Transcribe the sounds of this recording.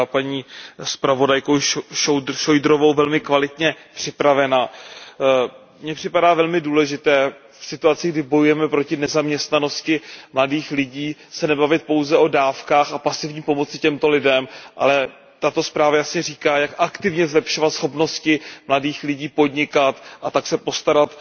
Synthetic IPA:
paɲiːspɾavo̞dajkowʃoʃojdɾovo̞wvɛlmɪkvalɪt̪ɲɛpr̝̥ɪpɾavɛnaː | mɲɛpr̥ɪpadaːvɛlmɪduːlɛʒɪt̪ɛː | fsɪt̪uat͡sɪɡdɪbo̞jujɛmɛpɾo̞cɪnɛzamɲɛst̪nano̞scɪmladiːxlɪɟiːsɛnɛbavɪt̪̚po̞wzɛʔo̞daːfkaːxapasɪvɲiːpo̞mo̞t͡sɪcɛmt̪o̞lɪdɛmʔa̰lɛ | t̪at̪o̞spɾaːvajasɲɛriːkaːjakʔakt̪ɪvɲɛzlɛpʃo̞vat̪sxo̞pno̞scɪmladiːxlɪɟiːpo̞dɲɪkat̪ʔat̪aksɛpo̞st̪aɾat̪

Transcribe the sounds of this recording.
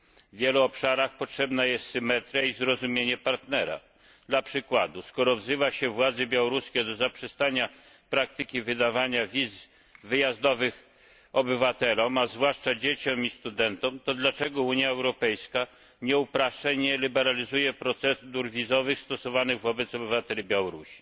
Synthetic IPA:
vʲjeluɔpʂaɾaxpɔtʂɛbnajɛst̪sɘmɛt̪ɾʲaizɾɔzumʲjeɲɛpaɾt̪nɛɾa̰ | d̪lapʂɘkwad̪uskɔɾɔvzɘvaɕɛvwad̪zɛbʲjawɔɾuskʲɛd̪ɔzapʂɛst̪aɲa | pɾak̚t̪ɘkʲivɘd̪avaɲai | vɘjazd̪ɔvɘx | ɔbɘvat̪ɛlɔmazvwaʂt͡ʂad͡ʑet͡ɕɔmist̪ud̪ɛnt̪ɔmt̪ɔd̪lat͡ʂɛɡɔuɲjaɛwɾɔpɛjska | ɲɛupɾaʂaɲɛlʲibɛɾalʲizujɛpɾɔt̪sɛd̪uɾvʲizɔvɘxst̪ɔsɔvanɘɣvɔbɛt̪sɔbɘvat̪ɛlʲibʲjawɔɾuɕi̥

